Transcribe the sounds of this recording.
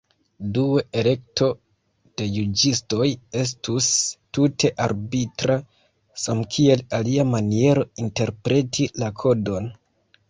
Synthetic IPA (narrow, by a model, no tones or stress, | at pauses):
dueele̞k̚to̞ | d̥e̞jud͡ʒisto̞je̞s̬tustutʰe̞ʔaɾbitɾa | samkʰie̞laliamanie̞ɾo̞inte̞ɾpɾe̞tʰilakʰo̞do̞n